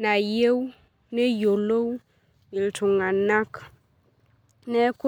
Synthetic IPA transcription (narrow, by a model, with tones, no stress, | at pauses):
na˨je˦w | ne˦jo˨lo˦w | i˨ltʰu˨ŋa˨na˦k | ne˦ku˦